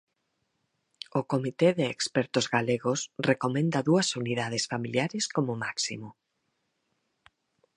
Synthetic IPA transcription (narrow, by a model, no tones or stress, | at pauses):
ʊkomit̪eðɪːkspɛɾt̪ʊzɣaleɣosrekomẽnd̪ɐðuɐsuniðað̞esfamiljaɾɪskomʊmaksimʊ